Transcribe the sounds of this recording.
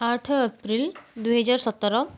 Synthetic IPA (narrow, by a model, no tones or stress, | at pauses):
aʈʰəpɾild̪uɦəd͡ʒaɾsɔt̪ːɔɾɔ